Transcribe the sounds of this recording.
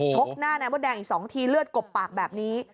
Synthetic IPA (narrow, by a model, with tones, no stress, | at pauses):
t͡ɕʰo˦˥k̚naː˥˩na˦˥mbɔː˧˥˩dɛː˧ŋʔiː˨˩k̚sɔː˩˦ŋt̪ʰiː˧lɯ˥˩ət̪̚ko˨˩pːaː˨˩k̚bɛː˨˩p̚niː˦˥